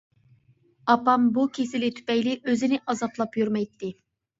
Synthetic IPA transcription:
ɑpɑmbukʲʰesɪlɪt̪ʰy̥pɛjlɪʔøzinɪʔɑzɑplˠɑpjyɾmɛjt̪ʰːɪ

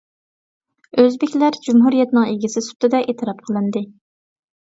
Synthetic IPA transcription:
øzbɪkʲlæɾd͡ʒumɦuɾijɛt̪nɨŋeɡʲisɪsu̥t̪ɨd̪ɛʔet̪ʰɨɾɑp̚qʰəlˠɨnd̪ɨ

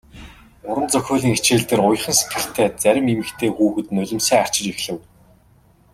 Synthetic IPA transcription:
ʊɾə̆nt͡sœxʲʊːɮiːŋet͡ɕeːɮt̪ɘ̆rʊj̆χə̆nse̥t̪ɡɘ̆ɬt̪ʰæːt͡sæɾʲɪ̆memɘ̆kt̪ʰeːxuːxɘ̆t̪nʊɮʲɪ̆msæːar̥t͡ɕɪ̆t͡ɕixɮɘ̆w

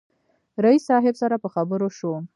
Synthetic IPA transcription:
ɾaisɑɦɪbsaɾapəxabəɾoʃo

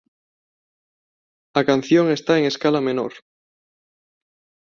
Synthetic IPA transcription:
akan̟θjoŋe̞st̪aeŋeskalamẽno̰ɾ

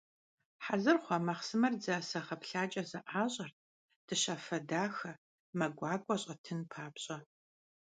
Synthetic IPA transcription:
ħazɨrχʷɔmɐχsɨmɐrd͡zɐsɐχɐpɬaːt͡ʃʼɐzɐʔaːɕʼɐr | d̥ɨɕɐfɐdaːxɐ | mɐɡʷɑːɡʷʼɔɕʼɐtʰɨnpʰaːbɕʼɐ

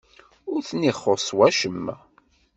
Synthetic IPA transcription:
ʊɾθnːiχːoswæʃəmː

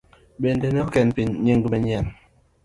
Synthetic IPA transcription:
ɓendenɛɔkɛnpiɲeŋɡumɛɲan

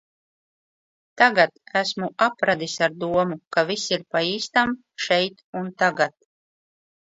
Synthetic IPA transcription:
t̪aɡat̪æsmuapɾad̪isaɾd̪uɔmukavisiɾpaiːst̪am | ʃɛjt̪unt̪aɡat̪̚

